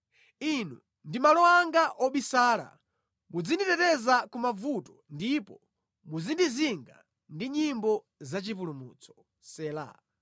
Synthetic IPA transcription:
inu | ndimalɔwaŋɡaʔɔɓisaːla̰ | mud͡zinditɛtɛzakumavutɔ̥ndipɔ | muzindiziŋɡa | ndiɲimbɔ | zat͡ʃip̬ulumṵːt͡sʰɔ̥ | sɛːla̰

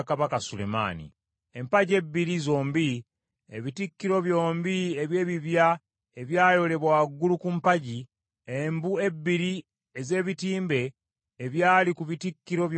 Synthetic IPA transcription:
kaβakasule̞̰ma̰ːnḭ | empaɟe̞bːiɾizoːmbi | ḛβitikːiɾo̞βjo̞ːmbieβje̞ːβiβja | eβjaːjo̞le̞βwaɡːulukumpaɟi | embue̞bːiɾi | eze̞ːβitiːmbe̞ː | βjaːlikuβitikːiɾo̞βj

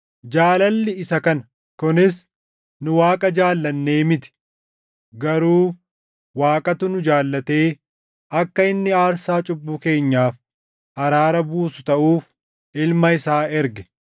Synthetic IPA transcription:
d͡ʒaːlɐlːɪɪsɐkɐnɐ | kʊnɪs | nʊwaːkʼɐd͡ʒaːlːɐnːe̞ːmɪt̪ɪ̥ | ɡɐɾuː | waːkʼɐt̪ʊnʊd͡ʒaːlːɐt̪e̞ː | ʔɐkːɐɪnːɪaːɾsaːt͡ʃʼʊbːuːke̞ːɲːaːf | ʔɐɾaːɾɐbuːsʊ̥t̪ɐʔuːf | ʔɪlmɐɪsaːɛɾɡɛ̥

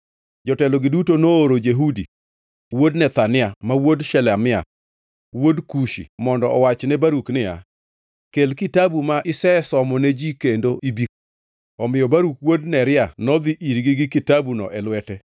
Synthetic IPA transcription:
d͡ʒɔtɛlɔɡɪdutonoːɾod͡ʒeɦudi | wodnɛt̪anɪamawodʃɛlamɪa̰ | wodkuʃḭmɔndɔɔwat͡ʃnɛbaɾuknɪja̰ | kelkitabumaʔɪsɛsɔmɔnɛd͡ʒikendoʔibik | ɔmɪjɔbaɾukwodnɛɾɪanɔd̪iʔiɾɡiɡɪkɪtabunɔ̰ʔɛlwɛtɛ

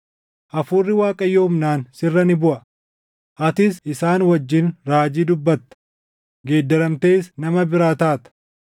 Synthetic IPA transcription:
ʔɐfuːrːɪwaːkʼɐjːɐhʊmnaːnsɪrːɐnɪbʊʔɐ | ʔɐt̪ɪsɪsaːnwɐd͡ʒːɪnɾaːd͡ʒiːd̪ʊbːɐt̪ːɐ̥ | ɡe̞ːd̪ːɐɾɐmt̪eːsnɐmɐbɪɾaːt̪aːt̪ɐ̥

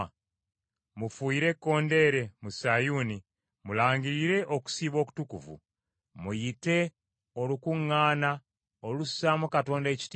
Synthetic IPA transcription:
mufuiɾe̞kːo̞ːnde̞ːɾe̞musajuni | mulaːɲɟiɾiɾe̞ʔo̞ku̥siːβo̞ːku̥tukuvṵ | mujite̞ | olukuŋːaːna | olusaːmukato̞ːnde̞ci̥tː

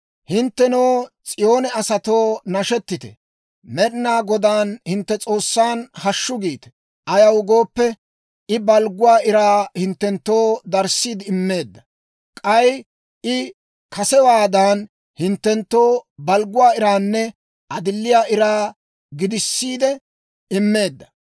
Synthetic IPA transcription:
hɪnt̪ːɛnoːt͡sʼɪjo̞ːnɛɐsɐt̪o̞ːnɐʃɛt̪ːɪt̪ɛ̰ | mɛɾnaːɡɔd̪aːnhɪnt̪ːɛt͡sʼo̞ːsːaːnhɐʃːʊɡiːt̪ɛ̥ | ɐjɐwɡo̞ːpːɛ | ɪbɐlɡʊwaːɪɾaːhɪnt̪ːɛnt̪ːo̞ːd̪ɐɾsiːd̪ɪːmːe̞ːd̪ːɐ | kʼɐj | ʔɪ | kʰɐsɛwaːd̪aːn | hɪnt̪ːɛnt̪ːoːbɐlɡʊwaːɪɾaːnːɛ | ʔɐd̪ɪlːɪjaːʔɪɾaː | ɡɪd̪ɪsːiːd̪ɛ | ɪmːe̞ːd̪ːɐ̥

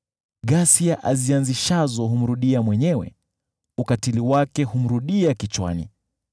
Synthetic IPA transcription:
ɠasiaʔazianziʃazɔɦum̩ɾuɗiamwɛɲɛwɛ̰ | ukatiliwakɛhum̩ɾuɗiakit͡ʃwa̰nḭ

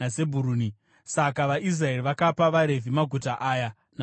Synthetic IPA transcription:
ase̞bʱuɾuːni | sakaʋaʔis̬raeriʋakapaʋaɾe̞vimaɡʱutaʔaːja | na

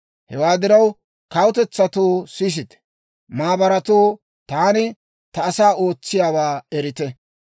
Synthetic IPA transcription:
hɛwaːd̪ɪɾɐw | kɐwʊt̪ɛt͡sːɐt̪oːsiːs̬ɪt̪ɛ̥ | maːbɐɾɐt̪oː | t̪aːnɪ | t̪ɐːsaːʔo̞ːt͡sːɪjaːwaːɛɾɪt̪ɛ

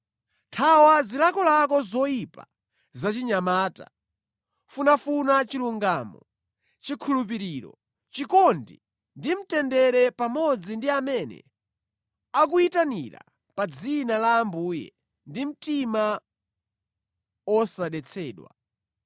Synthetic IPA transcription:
tʰawazilakɔlakɔzɔjipa̰ | zat͡ʃiɲamaːta̰ | funafunat͡ʃiluŋɡaːmɔ | t͡ʃikʰulup̬iɾiɾɔ̰ | t͡ʃikɔndi | ndim̩tɛndɛɾɛpamɔd͡zindiamɛnɛ̰ | ak̬uitanḭɾa̰ | pad͡zinalaːmbuːjɛ̰ | ndim̩tima | wɔsaɗɛt͡sʰɛːɗwa̰

